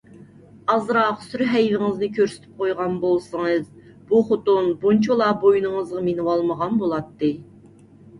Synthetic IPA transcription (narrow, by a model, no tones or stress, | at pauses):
ɑzɾɑqsyɾɦɛjvɪŋɨznɨkʲʰøɾsy̥t̪ʰy̥p̚qʰojʁɑnbolˠsəŋɨz | b̥uχʊt̪unbunt͡ʃʰolˠɑbojnɨŋəzʁɑmenɨwɑlˠməʁɑnbolˠɑt̪ːɨ